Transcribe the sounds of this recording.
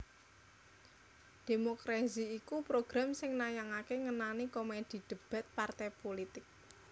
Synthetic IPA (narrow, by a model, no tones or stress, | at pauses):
d̪̥e̤mokɾaziːkupɾoɡ̥ɾa̤msɪŋnajaŋakeŋənanikomed̪̥i̤d̪̥ə̤b̥a̤t̪̚part̪ɛpolit̪ɪk̚